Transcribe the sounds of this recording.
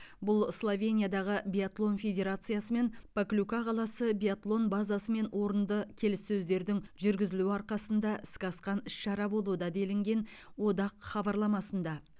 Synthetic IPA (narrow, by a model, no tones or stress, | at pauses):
bʊlˠslˠovʲe̞nʲijad̪ɑʁəbʲijat̪lˠo̞nfʲe̞dʲe̞ɾat̪sɨjasəme̞npʰaklʲukɑqʰɑlˠɑsəbiat̪lˠo̞nbɑzɑsəme̞nwʔo̞ɾənd̪əkʲʰe̞lɪsːɵzd̪e̞ɾd̪ɪŋʒʏɾɡʲɪzɪluɑɾqɑsənd̪ɑʔɪskɑsqɑnɪʃʃɑɾɑbo̞lˠud̪ɑd̪e̞lɪŋɡʲe̞nwo̞d̪ɑqχɑbɑɾlˠɑmɑsənd̪ɑ